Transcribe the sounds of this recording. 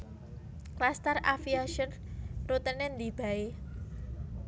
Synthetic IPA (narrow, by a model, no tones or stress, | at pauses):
klast̪ərafiaʃənrut̪ənɛnd̪ib̥a̤e